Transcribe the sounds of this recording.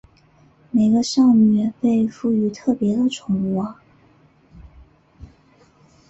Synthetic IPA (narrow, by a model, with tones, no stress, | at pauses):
me˨˩ɪɡə˦ʂɑ˥˧ŋnɛ˨˩pe˥˧ɪfu˥˩y˧˥t̪ʰɤ˥˩pjɛ˧˥d̪ə˨ʈ͡ʂʰʊ˧˥ŋu˥˩ɐ˧